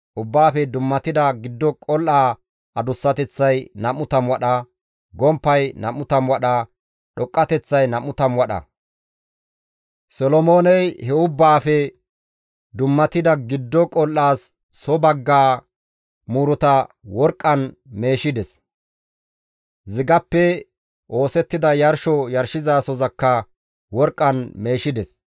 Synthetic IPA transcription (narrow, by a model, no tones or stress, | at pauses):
ʔʊbːaːfɛd̪ʊmːɐt̪ɪd̪ɐɡɪd̪ːɔkʼɔlːaː | ʔɐd̪ʊsːɐt̪ɛt͡sːɐjnɐmʊt̪ɐmwɐɗɐ | ɡɔmpːɐjnɐmʊt̪ɐmwɐɗɐ | ɗɔkʼːɐt̪ɛt͡sːɐjnɐmʊt̪ɐmwɐɗɐ̰ | sɔlɔmoːnɛjhɛʊbːaːfɛ | d̪ʊmːɐt̪ɪd̪ɐɡɪd̪ːɔkʼɔlːaːsː | ɔbɐɡːaː | muːɾɔt̪ɐwɔɾkʼːɐn | me̞ːʃɪd̪ɛs | zɪɡɐpːɛ | ʔo̞ːsɛt̪ːɪd̪ɐjɐɾʃɔjɐɾʃɪzaːsɔzɐkːɐ | wɔɾkʼːɐnme̞ːʃɪd̪ɛs